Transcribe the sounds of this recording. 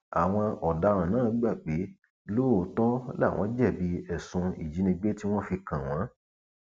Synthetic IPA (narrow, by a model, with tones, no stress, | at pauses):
a̰˨w̃ɔ̃˧ɔ˨da˨˦ɾ̃ã˨nãː˦˨˦ɡ͡ba˦˨k͡pe˨˦ | lo˦˨tɔ̃˦la̰˦˨w̃ʔɔ̃˧˦d͡ʒɛ˦˨bi˨˦ɛ˨sũ˧ḭ˦˨d͡ʒi˨˦nĩ˧ɡ͡be˦ti˦w̃ɔ̃˦fi˧kã˨w̃ɔ̃˨˦